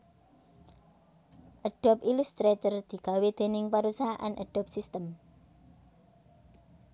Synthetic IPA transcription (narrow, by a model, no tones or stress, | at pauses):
ʔəɖ̥ɔ̤pilust̪ɾet̪ərd̪̥i̤ɡ̥a̤wed̪̥e̤nɪŋpaɾusaɦaʔa̰nʔə̰ɖ̥ɔp̚sist̪əm